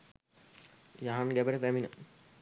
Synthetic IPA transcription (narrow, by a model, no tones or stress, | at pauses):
jaɦamɡæbəʈəpæminə